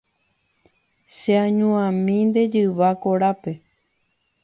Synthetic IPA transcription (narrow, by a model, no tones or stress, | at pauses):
ʃeãɲũãmĩnd̪e̞d͡ʒɨʋakoɾape̞